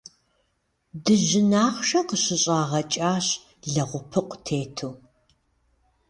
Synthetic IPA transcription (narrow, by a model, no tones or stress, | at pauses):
dɨʑɪnaːχʷʃɐqəɕɪɕʼaːʁɐt͡ʃʼaːɕ | ɮɐʁʷʊpʰɨqʷʼtʰeːtʰuː